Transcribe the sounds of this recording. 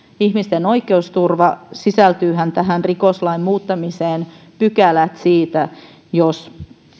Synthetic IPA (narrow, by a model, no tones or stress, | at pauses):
ihmist̪enoikˑeust̪urʋɑsisælt̪yːɦænt̪æɦænrikoslɑimmuːt̪ːɑmiseːn | pykælæt̪siːt̪æ | jos